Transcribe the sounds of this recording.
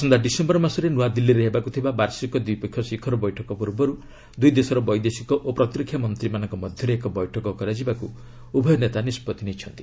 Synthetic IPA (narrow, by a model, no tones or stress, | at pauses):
sɔnd̪aɖisembɔɾmasɔɾenuad̪ilːiɾeɦebakut̪ʰibabaɾsikɔd̪uijpɔkʰjɔsikʰɔɾɔbɔjʈʰɔkɔpuɾbɔɾu | d̪ujd̪esɔɾɔbɔjd̪esikɔʔopɾɔt̪ɾikʰjɔmɔnt̪ɾimanɔŋkɔmɔd̪ʱjɔɾeekɔbɔjʈʰɔkɔkɔɾad͡ʒibaku | ubʱɔjɔnet̪anispɔt̪inet͡ʃʰɔnt̪i̥